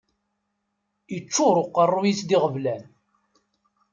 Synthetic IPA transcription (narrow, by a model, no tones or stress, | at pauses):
ət͡ʃːʊɾˤoqːərˤːujisd̪iʁəvlæn